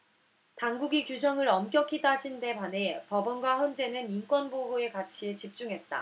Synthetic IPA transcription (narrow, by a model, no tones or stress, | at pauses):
taŋɡuɡikjud͡ʑʌŋɯɾʌmk͈jʌkʰit͈ad͡ʑinde̞pane̞pʌbʌnɡwaçjʌnd͡ʑe̞nɯninkwʌnboɦoe̞kat͡ɕʰie̞t͡ɕip̚t͡ɕ͈uŋɦe̞t̚t͈a̰